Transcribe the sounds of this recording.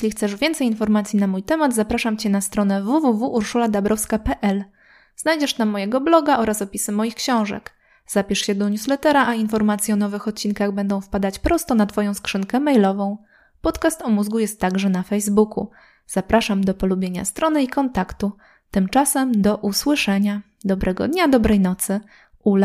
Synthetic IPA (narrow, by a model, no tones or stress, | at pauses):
jeɕlʲixt̪sɛʐvʲjɛnt̪sɛjinfɔɾmat̪sʲjinamujt̪ɛmad̪zapɾaʂamt͡ɕɛnast̪ɾɔnɛvuvuvuʔːɾʂulad̪abɾɔfskapɛʔɛl | z̥najd͡ʑɛʂt̪amːɔjɛɡɔblɔɡaʔɔɾasɔpʲisɘmɔjixkɕɔ̃w̃ʐɛ̰k | z̥apʲiʂɕɛd̪ɔɲjuslɛt̪ɛɾaʔainfɔɾmat̪sʲjɛɔn̪ɔvɘxɔt̪̚t͡ɕinkaɣbɛnd̪ɔ̃w̃fpad̪at͡ɕpɾʔɔst̪ɔnat̪fɔjɔ̃skʂɘŋkɛmɛjlɔvɔ̃w̃ | pɔt̪kast̪ɔmuzɡujɛst̪ːaɡʐɛnafɛjzbukṵ | z̥apɾaʂamd̪ɔpɔlubʲjeɲa̰st̪ɾɔnɘikɔnt̪akt̪u | t̪ɘmt͡ʂasɛmd̪ɔʔuswɘʂɛɲa | d̪ɔbɾʔɛɡɔ̰d̪ɲad̪ɔbɾɛjnɔt̪sɘ | ul